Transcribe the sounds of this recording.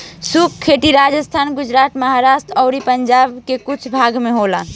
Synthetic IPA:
sukkʰːeʈiɾad͡ʒəst̪ʰanɡud͡ʒɾat̪məɦaɾasʈɾɔʊɾipəɲd͡ʒabkekut͡ʃʰbʱaɡmeɦola

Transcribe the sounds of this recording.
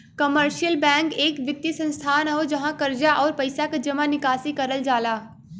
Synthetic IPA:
kɐməɾʃijəlbɛ̃ːŋkeːkʋɪt̪ːisɐ̃nst̪ʰaːnɐɦod͡ʒɐɦãkɐɾd͡ʒaʔɔːɾpɐɪsaked͡ʒɐmanɪkaːsikɐɾəld͡ʒaːlaː

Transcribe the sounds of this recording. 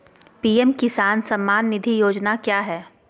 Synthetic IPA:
piːɛmkɪsaːnsɐmːaːnːɪd̪ʱijoːd͡ʒnakjaːɦɛː

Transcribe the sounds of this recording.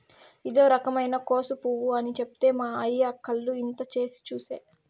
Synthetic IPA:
id̪o̞ːɾɐkɐmɐjnɐkoːsupuʋuɐnit͡ʃe̞pu̥t̪e̞ːmaːɐjːaːkʰːɐlːuint̪ɐt͡ʃe̞ːsi̥t͡ʃuːseː

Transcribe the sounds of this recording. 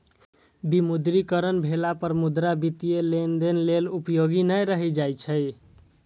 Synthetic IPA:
bimud̪ɾikəɾənbʱelapəɾmud̪ɾabit̪ijelend̪enlelupjoɡinəjɾəɦɛd͡ʒajt͡ʃʰəj

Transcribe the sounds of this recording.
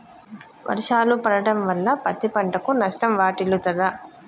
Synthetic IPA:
ʋʔɐ̰ɾiʂaːlupɐɽɐɽɐmʋɐlːɐpɐt̪ːipɐɳʈɐkunɐʂʈɐmʋaːʈilut̪ɐd̪ɐ

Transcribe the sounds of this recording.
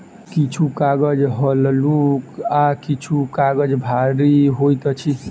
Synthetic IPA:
kit͡ʃʰukaɡəd͡ʒɦəllukakit͡ʃʰukaɡəd͡ʒbʱaɾiɦojt̪ɔt͡ʃʰi

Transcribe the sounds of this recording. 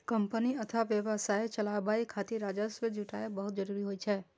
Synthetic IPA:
kɐmpəniɐt̪ʰaʋjəʋəsaːjt͡ʃɐlabaikʰaːt̪iɾaːd͡ʒəsʋed͡ʒuʈaːebəɦʊt̪̚d͡ʒəɾuɾiɦoːit͡ʃʰɛː

